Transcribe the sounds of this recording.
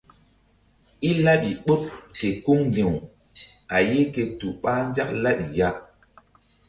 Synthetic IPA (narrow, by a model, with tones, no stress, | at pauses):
i˦la˦ɓi˨ɓo˦p̚ke˨ku˦ŋli˨w | a˨je˦ke˨tu˨ɓa˦n˦d͡ʒa˦k̚la˦ɗi˨ja˦